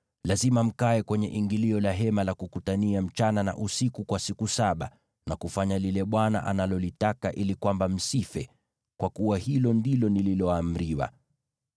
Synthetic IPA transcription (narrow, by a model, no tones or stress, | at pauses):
lazimam̩kaɛkwɛɲɛʔiŋɡiliɔlaɦɛmalakukutaniam̩t͡ʃanana̰ʔusikukwasikusaɓa | nakufaɲalilɛɓwana̰ʔa̰nalɔlitakaʔilikwambam̩sifɛ | kwʔakuwahilɔndilɔnililɔaːm̩ɾiwa̰